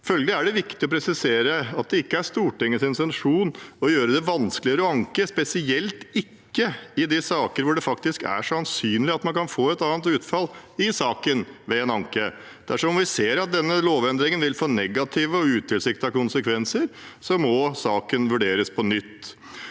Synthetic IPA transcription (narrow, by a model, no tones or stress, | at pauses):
fœlɡəɪæɖɛʋɪkt̪ɪɔpʰɾɛsɪseːɾəɑt̪̚d̪ɛɪkːəæɾʂt̪uːʈɪŋːəsɪnsɛnʂuːnɔjøːɾəd̪ɛʋɑnsklɪəɾɔɑŋkəspɛsɪɛlt̪ɪkːəɪd̪ɪsɑːkəɾʋʊɖɛfɑkt̪ɪskæ̰ʂɔɑnsyːnlɪɑt̪mɑnkɑnfoːɛt̪ɑːnt̪ʉːt̪fɑlɪsɑːkənʋɛɛnɑŋkə | d̪̥æʂɔɔmʋɪseːɾɑt̪̚d̪ɛnːəloːʋɛnd̪ɾɪŋənʋɪlfoːnɛɡɑt̪ʰiːʋəɔʉːt̪ʰːɪlsɪkt̪ɑkʊnsəkʰʋɛnsəɾ | sɔmɔsɑːkənʋʉɖeːɾəspʰɔnʏt̪ː